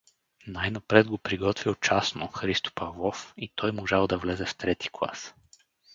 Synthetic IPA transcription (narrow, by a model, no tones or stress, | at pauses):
najnɐpɾɛd̪̚ɡopɾiɡɔt̪vilˠt͡ʃasnoxɾist̪o̥pɐvlˠɔfit̪ʰɔjmoʒalˠd̪ɐvlɛzɛft̪ɾɛt̪i̥klˠa̰s